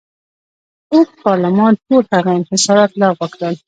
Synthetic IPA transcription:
oxpɑɾlɪmɑnʈolhaɣaɪnhɪsɑɾɑt̪lɑwəkɾəl

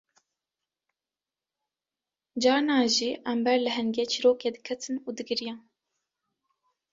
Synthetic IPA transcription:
d͡ʒɑːnɑːʒiːʔɛmbɛɾlɨɦɛŋɡʲeːt͡ʃʰiɾoːkeːd̪ɨkʰɛt̪ʰɨnuːd̪ɨɡɨɾijɑːn

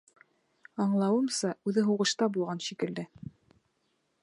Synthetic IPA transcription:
ɑɴlˠɑwɤmsɑʉðɘɦuʁɤ̆ʃt̪ɑbulˠʁɑnʃikɘ̆ld̪ɘ

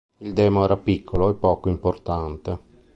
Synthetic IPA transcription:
ild̪ɛːmoɛːɾapikʰːoloepːɔːkoimport̪ant̪e

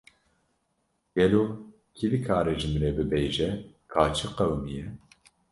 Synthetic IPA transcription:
ɡ̥ɛloː | kʰilikʰaːɾeʒɨmɾɛbɨbeːʒɛ | kʰaːt͡ʃʰɨqɛwmijɛ

